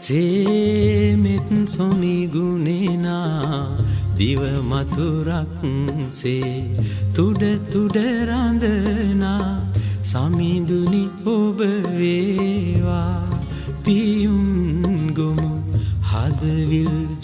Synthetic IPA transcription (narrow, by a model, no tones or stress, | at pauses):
se | met̪nsomiɡunena | d̪iʋəmɐt̪uɾak | se | t̪uɖət̪uɖəɾand̪ənasamid̪uniobəʋeʋa | pijunɡomuhad̪əʋil